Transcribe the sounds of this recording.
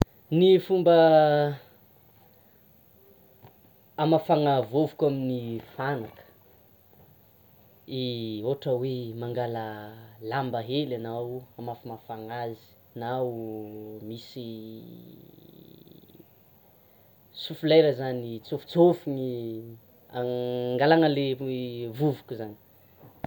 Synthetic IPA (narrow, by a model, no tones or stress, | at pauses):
nifumbə | mafaŋavovukaminifanakə̥ | ioʈ͡ʂəwemaŋɡaləlambəɦelanawamafimafaŋazi̥ | na | misi | sufulajɾəzanit͡sofu̥t͡sofuni | a̰ŋɡalaŋəlevuvukuzani̥